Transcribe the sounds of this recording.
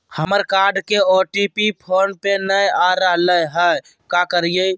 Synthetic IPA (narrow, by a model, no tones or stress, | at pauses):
həməɾkaɾɖkeɔʈipipʰoːnpenəjaɾəɦləɦə | kakəɾije